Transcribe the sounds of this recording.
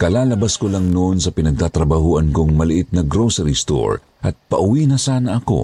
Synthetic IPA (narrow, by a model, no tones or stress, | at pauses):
kɐlaːlɐbaskolɐŋnoʔnsɐpɪnɐɡ̚t̪aːt̪ɾɐbɐhuːʔɐnkoŋmɐlɪʔɪt̪̚nɐɡɾosɐɾist̪o̰ɹ | ʔɐt̪̚pɐʔʊwiːnɐsaːnɐʔɐko̞̰